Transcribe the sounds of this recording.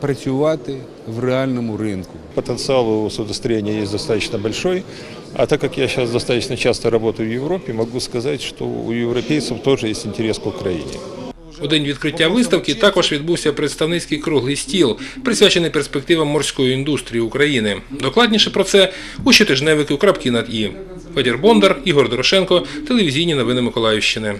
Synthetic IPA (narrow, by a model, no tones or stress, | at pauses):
pɾɐt͡sʲʊʋat̪ɪ | ʋrɪalʲnɔmʊɾɪnkʊpət̪ənt̪sɨalˠʊsʊd̪əst̪ɾɐjʲenʲɪjəjesʲd̪ɐst̪at̪ət͡ɕnəbɐlʲʂoj | ɐ̰t̪akːɐkjaɕasd̪ɐst̪at̪ə̥nət͡ɕast̪əɾɐbo̞t̪əjʊvjɪvɾo̞pʲɪʊmɐɡuskɐzatʲʂt̪o̰ṵjɪvɾɐpʲejt̪səft̪o̞ʐɨjesʲtʲɪnʲtʲɪɾʲeskʊkɾɐjḭnʲɪ̰ | ɔd̪ɪnʲʋʲid̪kɾɪtʲːaʋɪst̪ɐwkɪt̪ɑkɔʒʋʲid̪buwsʲɐpɾet̪st̪ɐwnɪt͡sʲkɪjkɾuɦlˠɪjsʲtʲilˠpɾɪsʲʋʲat͡ʃenɪjperspek̚t̪ɪʋɐmːɔrsʲkɔjiind̪ust̪ɾʲijiʊkɾɐjinɪd̪ɔklˠɑdʲnʲiʃɛpɾɔt̪sɛ | uʃit̪ɪʒnɛʋɪkɪwkɾɐpkʲɪnɐd̪i | fɛdʲerbɔnd̪ɐriɦɔrd̪ɔɾɔʃɛnkɔt̪elʲˠeʋʲizʲijnʲinɔʋɪnɪmɪkɔlˠɑjɪwʃt͡ʃɪnɪ